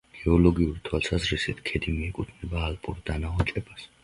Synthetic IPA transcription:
ɡ̥ɛɔlɔɡiuɾit̪ʰwalˠsazɾisit̪ʰkʰɛd̪imiɛkʼut̪ʰnɛbaːlpʼuɾd̪anaɔt͡ʃʼɛbas

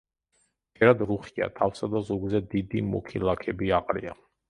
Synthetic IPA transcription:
d͡ʒɛɾad̪ɾuχia̰t̪ʰafsad̪azɔɡzɛd̪id̪imɔ̰kʰilˠakʰɛbiaqʼɾḭa̰

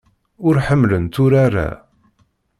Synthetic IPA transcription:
ʊɾħəmːlənt̪ʊɾaɾa̰

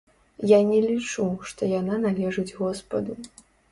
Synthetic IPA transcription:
janʲɛlʲit͡ʂuʂt̪ɔjananalʲɛʐɨd͡zʲɣɔspɐd̪u

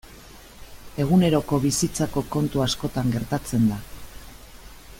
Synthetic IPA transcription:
e̞ɣ̞une̞ɾo̞ko̞βisit͡sako̞ko̞nt̪uasko̞t̪aŋɡe̞ɾt̪at͡se̞nd̪a

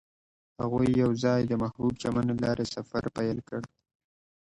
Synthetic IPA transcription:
ha̰ɣujːawzɑjd̪əmahbub̚t͡ʃamanlɑɾʔesafa̰ɾpajəlkəɽd̪

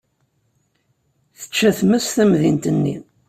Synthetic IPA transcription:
θə̥t͡ʃːæθməsθæmðint̪ənːḭ

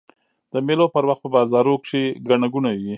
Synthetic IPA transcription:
d̪̥əmelopəɾwaxt̪̚pəbɑzɑɾokʂeɡaɳaɡunawi

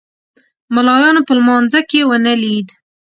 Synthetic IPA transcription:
malɑjɑnopəlmɑnzakewənəlid̪

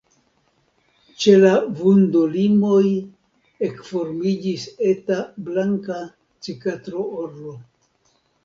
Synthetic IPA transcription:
t͡ʃe̞lavundolimo̞j | e̞kfo̞ɾmid͡ʒise̞tablaŋka | t͡sikatɾo̞oɾlo̞

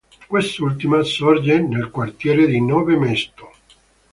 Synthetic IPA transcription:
kwest̪ult̪imasɔrd͡ʒenelkwart̪jɛːɾed̪inɔːvemest̪o̥

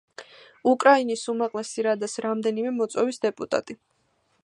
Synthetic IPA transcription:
ukʼɾainisumaqʼlˠɛsiɾad̪asɾamd̪ɛnimɛmɔt̪sʼɔvisd̪ɛpʼut̪ʼa̰t̪ʼi

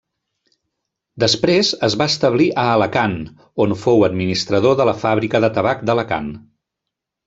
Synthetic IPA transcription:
d̪əspɾezəzβaəst̪əβ̞liʔəːləkan | onfowəd̪minist̪ɾəð̞oðələfaβɾikəðət̪əβak̚d̪ələka̰n

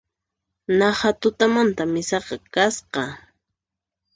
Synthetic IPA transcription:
nɑhat̪ʊt̪amant̪amɪsɑqɑkasqɑ

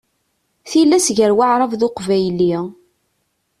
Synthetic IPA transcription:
θilːæsʝəɾwaʕɾˤɑvðʊqvæjli

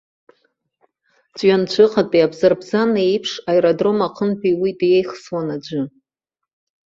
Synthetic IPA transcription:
t͡ʃʷʼɥant͡ʃʷʰɨqʰatʼiabzarbzanejpʰʂajɾodro̞maqʰənpʰʼiwidjejχswanad͡ʒʷɨ

